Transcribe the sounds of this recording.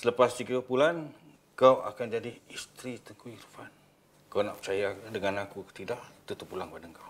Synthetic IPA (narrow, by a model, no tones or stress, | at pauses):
sələpasd͡ʒiɡəpulan | kawa̰kand͡ʒadiist̪ɾit̪əŋkujirfan | kawna̰ʔpə̥t͡ʃajadəŋanakukə̥t̪idaʔt̪ut̪upulaŋpadaŋkaw